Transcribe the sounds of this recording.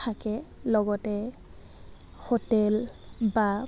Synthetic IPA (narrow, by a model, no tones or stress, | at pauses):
akɛlɔɡɔtɛ | xɔtɛlba